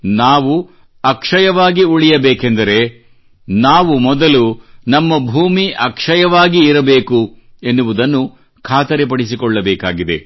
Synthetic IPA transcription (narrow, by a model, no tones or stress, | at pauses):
naːʋu | ɐkʂɐjɐʋaːɡiuɭijɐbeɛːkend̪ɐɾe̞ | naːʋumɔd̪ɐlunɐmːɐbʱuːmiʔɐkʂɐjɐʋaːɡiːɾɐbeːku | enːuʋud̪ɐnːu | kʰaːt̪ɐɾep̬ɐɽisikɔɭːɐbɛːkaːɡid̪e̞̰